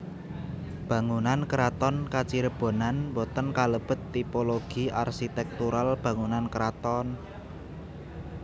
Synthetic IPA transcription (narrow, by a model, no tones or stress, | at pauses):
b̥ä̤ŋunankɾat̪ɔnkat͡ʃiɾəb̥o̤nanbɔt̪ənkaləb̥ə̤t̪ːipoloɡ̥i̤arsit̪ɛk̚t̪uɾalb̥ä̤ŋunankɾat̪ɔn